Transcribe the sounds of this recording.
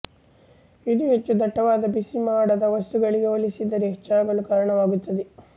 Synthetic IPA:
id̪uɦet͡ʃːud̪ɐʈːɐʋaːd̪ɐbisimaːɽɐd̪ɐʋɐst̪uɡɐɭiɡeoːlisid̪ːɐɾɛkt͡ʃaːɡɐɭukaːɾɐɳɐʋaːɡut̪ːɐd̪e

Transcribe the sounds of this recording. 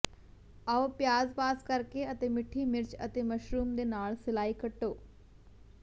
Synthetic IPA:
ɐopjaːzpaːskɐɾkeɐt̪eːmɪʈʰimɪɾt͡ʃɐt̪eːmɐʃɾuːmd̪eːnaːɭsɪlaːikɐʈːoː

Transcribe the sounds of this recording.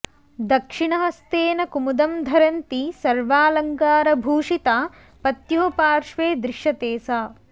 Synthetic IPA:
d̪ɐkʂiɳɐɦɐst̪eːnɐkumud̪ɐmd̪ʱɐɾɐnt̪isɐɾʋaːlɐŋɡaːɾɐbʱuːʂit̪a | pɐt̪joːpaːɾʂʋeːd̪ɾɪʃjɐt̪eːsaː

